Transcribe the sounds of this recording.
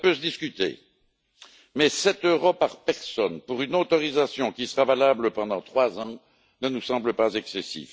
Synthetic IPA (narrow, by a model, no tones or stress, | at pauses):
pøsəd̪iskʲyt̪ḛ | mɛsɛt̪øʁopaʁpɛʁsɔnpuʁynot̪ɔʁizasjɔ̃kʲisəʁavalabləpɑ̃d̪ɑ̃t̪χwazɑ̃ | nənusɑ̃bləpazɛksɛsḭf